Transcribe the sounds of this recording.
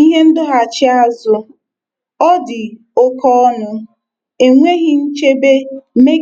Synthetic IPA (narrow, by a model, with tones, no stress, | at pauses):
i˦ɦe˦n̩˦dʊ˦ɦa˨t͡ʃɪ˦a˦zʊ˦ | ɔ˦dɪ˨ | ʊ˦kɔ˦nʊ˦ | e˨ŋʷe˦ɣɪ˨n̩˦t͡ʃe˦be˦me˦